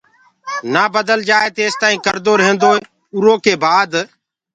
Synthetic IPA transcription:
naːbəd̪əld͡ʒaːeːt̪eːst̪aːĩːkəɾd̪oːɾəɦẽnd̪oːɦeː | ʊɾoːkeːbaːd̪

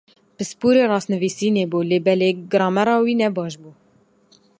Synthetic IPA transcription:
pɨspuːɾeːrɑːsnɨviːsiːneːbuːleːbɛleːɡɨɾɑːmɛɾɑːwiːnɛbɑːʃ̬buː

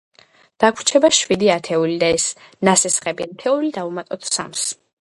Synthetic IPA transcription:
d̪̥akʰɾt͡ʃʰɛbaʃwid̪iat̪ʰɛulid̪aɛs | nasɛsχɛbiant̪ʰɛulid̪aumat̪ʼɔt̪ʰsa̰ms

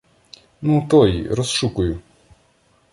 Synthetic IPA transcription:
nut̪ɔj̰ɾɔsʃukʊjʊ

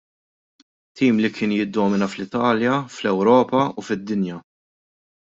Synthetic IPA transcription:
t̪ʰːiːmlikʰɪːnjɪd̪ːɔːmɪnɐflɪt̪ɐːljɐflɛwɾɔːpɐufɪd̪ːɪnjɐ

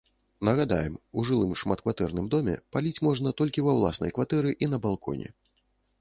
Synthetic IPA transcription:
nɐɣad̪a̰jɛmuʐɨlˠɨmʂmat̪kvat̪ɛrnɨmd̪ɔmʲɛ̰palʲit͡sʲmɔʐnɐt̪ɔlʲkʲivɐwlˠasnɐ̰jkvat̪ɛɾɨʔin̪ɐbalˠkʰɔ̰nʲɛ̰

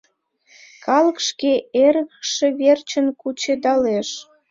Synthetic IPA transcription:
kɑlə̆kʃkeeɾəɣəkʃeβert͡ɕə̆nkut͡ɕed̪ɑleʃ

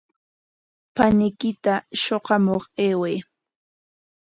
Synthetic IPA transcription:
panɪkɪt̪aʃoqɑmoχeːwej

